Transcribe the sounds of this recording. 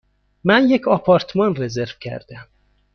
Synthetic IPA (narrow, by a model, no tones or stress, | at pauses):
mænjekʰɒpʰɒɾt̪ʰmɒnrezeɾv̥cʰæ̰ɾd̪̥æm